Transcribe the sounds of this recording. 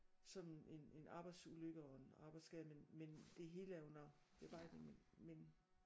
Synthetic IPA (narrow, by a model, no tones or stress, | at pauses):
sɒ̽mene̝nʔɑ̈ːb̥ɑ̈ɪd̥suløɡ̥əɒe̝nɑ̈ːb̥ɑ̈ɪd̥sɡ̥ɛðˠmenmend̥e̝ɦe̝ːləæɐjo̝nɐb̥e̝b̥ɑ̈ɪed̥neŋmenmen